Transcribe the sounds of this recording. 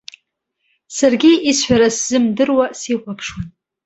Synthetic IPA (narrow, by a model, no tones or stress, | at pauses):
sarɡʲiisħʷᶣaɾasz̥ɨmdɨrwasiqʷapʰʂwan